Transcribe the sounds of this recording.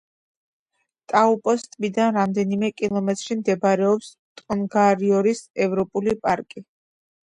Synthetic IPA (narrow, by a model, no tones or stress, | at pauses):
t̪ʼaupʼɔst̪ʼvid̪anɾamd̪ɛnimɛkʼilˠɔmɛt̪ʼɾʃimd̪ɛbɾɛɔps | t̪ʼɔnɡaɾiɔɾisɛvɾɔpʼulipʼaɾkʼi